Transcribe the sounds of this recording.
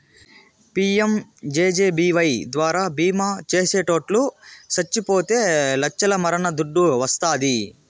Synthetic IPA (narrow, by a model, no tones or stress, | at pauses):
piːemd͡ʒeːd͡ʒeːbiːʋɐjd̪ʋaːɾaːbiːmaːt͡ʃeːseːʈo̞ːʈlusɐt͡ʃːipoːt̪e̞ːlɐt͡ʃːɐlɐmɐɾɐnɐd̪uɖːuʋɐst̪aːd̪i